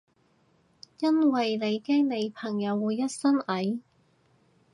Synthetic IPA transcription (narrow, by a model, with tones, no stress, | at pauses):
jɐ˥nwɐ˨jle˨˧jkɛː˥ŋne˨˧jpʰɐ˨˩ŋjɐ˨˧wːuː˨˧jːɐ˥t̚sɐ˥nɐ˨˥j